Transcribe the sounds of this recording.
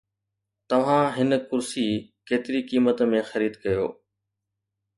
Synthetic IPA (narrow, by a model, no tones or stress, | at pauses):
t̪ɐʋ̤ãɦɪnəkʊɾsiːkeːt̪ɪɾikiːmət̪mẽxɐɾiːd̪kɐjo̰ː